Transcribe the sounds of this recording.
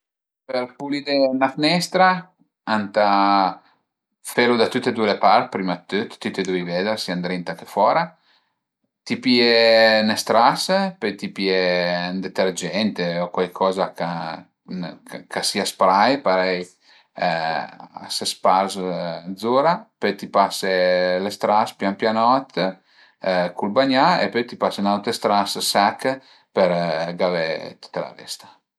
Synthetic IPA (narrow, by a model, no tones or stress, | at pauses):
peɾpulid̪enafinɛst̪ɾa | ant̪a | felud̪at̪ut̪ːed̪uelepaɾt̪pɾimat̪ːyt̪t̪ːut̪ːed̪uejvɛd̪eɾsiand̪ɾint̪akefwɔːɾa | t̪ipienest̪ɾaspejt̪ipiend̪et̪erd͡ʒɛnt̪eokwajkʰɔːzaka | kʰasiaspɾajpaɾɛj | a̰sespaɾsd̪zuɾapøjt̪ipaselest̪ɾaspjampjanɔt̪ | kulbaɲaḛpøjt̪ipasenawt̪ɾest̪ɾassakː | peɾɡavet̪u̥t̪ːala̰vɛ̰st̪ḁ